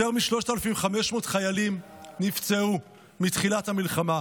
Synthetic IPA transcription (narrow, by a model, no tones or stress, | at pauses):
eʁmiʃlo̞ʃtaelafimχame̞ʃmo̞ːtχajalimnift͡seu | mitχilathamilχama